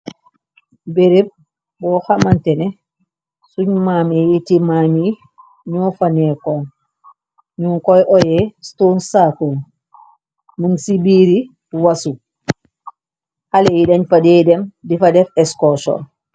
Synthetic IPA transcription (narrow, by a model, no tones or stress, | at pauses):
beɾeb̚ | bɔxamantɛnɛ | suɲmamijitimaːmi | ɲɔfanɛkɔn | ɲuŋkɔjʔɔjɛstonsakul | munsibiːɾi | wasu | halejidaɲfadɛdɛmdifadɛfɛskɔsɔ̰n